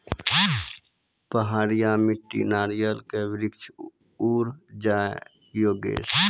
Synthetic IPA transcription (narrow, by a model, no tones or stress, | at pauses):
pəɦaːɾijamɪʈːḭnaːɾijəlkeʋɪɾɪkt͡ʃʰ | uːɾd͡ʒaː | joːɡḛːs